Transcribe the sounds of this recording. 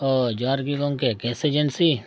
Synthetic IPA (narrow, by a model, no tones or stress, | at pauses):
ɔːd͡ʒaːɾɡikõːŋkekɛːsed͡ʒənsiː